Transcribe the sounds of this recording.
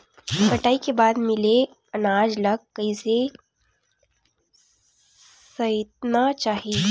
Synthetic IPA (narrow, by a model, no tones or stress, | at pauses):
pəʈaikebad̪mile | ənad͡ʒləɡ̚kəjse | səjt̪̚nat͡ʃaːɦi